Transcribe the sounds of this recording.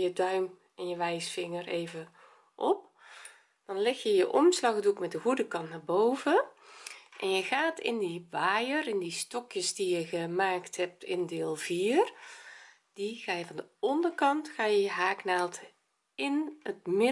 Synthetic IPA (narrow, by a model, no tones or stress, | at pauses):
jədœɥm | ɛnjəʋɛjsfɪŋəreːvə | ʔɔ̰p̚ | d̥ɑnlɛxjəjəʔɔmslɑɣdukmɛt̚dəɣudəkɑntnabowvə | ʔɛnjəɣaːtʰɪ̰ndiʋaːjərɪndistɔkjəsdijəɣəmaːkthɛp̚tɪndɪːlˠv̥iːər | d̥iɣaːjəvɔndəɔndərkɑntxaːjəjəɦaːknaːlˠt | ɪnət̚mɪ